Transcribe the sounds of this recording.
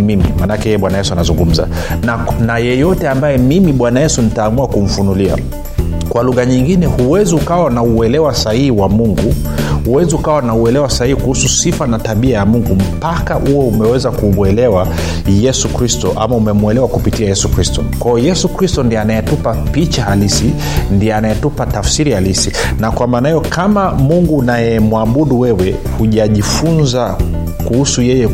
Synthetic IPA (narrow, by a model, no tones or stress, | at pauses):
mimḭmanakɛhɛjɛɓwanajɛsuanazuŋɡum̩za̰ | najɛjɔtɛambajɛmimiɓwanajɛsunitaːmuakum̩funulia̰ | kwaluɣaɲiŋɡinɛhuwɛziukawanauɛlɛwasahihiwamuŋɡu | huwɛziukawanauɛlɛwasahihikuhususifanataɓiajamuŋɡum̩pakahuɔumɛwɛzakumwɛlɛwa | jɛsukɾistɔʔa̰maumɛmuɛlɛwakupitiajɛsukɾistɔ̰kwajɔjɛsukɾistɔndianajɛtupapit͡ʃahalisi | ndiɛanajɛtupatafsiɾihalisinakwamaːnahijɔkʰamamuŋɡuːnajɛmwaɓuɗuwɛwɛ | huʄaʄifunza | kuhusujɛjɛ